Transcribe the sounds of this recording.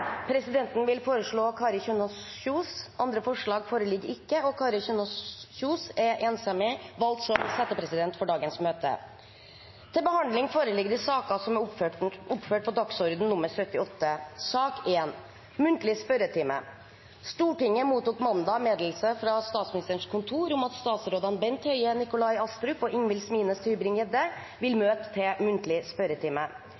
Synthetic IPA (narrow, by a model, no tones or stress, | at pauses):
pʰɾɛsɪd̪ɛnt̪n̩ʋɪlfoːɾəʂɭoːkʰɑːɾɪçʉʉnʃuːsʔɑnd̪ɾəfɔʂɭɑːɡfoːɾəlɪɡɾɪkːəɔkʰɑːɾɪçʉːnçuːsɛɾʔeːnsɑmɪʋɑlt̪sɔmsɛt̪ːəpʰɾɛsɪd̪ɛnt̪fɔɖɑːɡənsmøːt̪ə̰ | t̪ʰɪlbəhɑnd̪lɪŋfoːɾəlɪɡəd̪ɪsɑːkɑsɔm | ʊpføːʈ̚pʰɔd̪ɑksɔɾd̪n̩nʊməɾsœt̪ːɪɔt̪ːəsɑːkeːn | mʉnt̪lɪspœɾət̪ʰɪmə̰ | st̪uːʈɪŋːəmuːt̪uːkmɑnd̪ɑmeːd̪l̩səfɾɑst̪ɑːt̪smɪnɪst̪əɳ̩ʂkʰʊnt̪ʰuːɾʊmɑt̪st̪ɑːt̪sɾoːd̪ɑnbɛnt̪hœʏənɪkʊlɑɪɑst̪ɾʉːkɔːʔɪŋʋɪlsmiːnəst̪hyːbɾɪŋjɛd̪ə | ʋɪlmøːt̪ət̪ʰːɪmʉnt̪lɪspœɾət̪ʰɪmə